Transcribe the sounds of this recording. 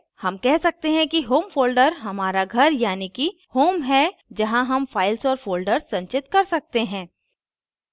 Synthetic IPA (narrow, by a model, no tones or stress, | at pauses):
hɐmkɛɦsɐk̚t̪eɦɛ̃kiɦoːmfoːlɖəɾɦɐmaːɾaɡʱɐɾjaːniki | hoːmɦɛd͡ʒɐɦãɦɐmfaːɪlsɔːɾfoːlɖəɾsːɐ̃ɲt͡ʃɪt̪kɐɾsɐk̚t̪eɦɛ̃ː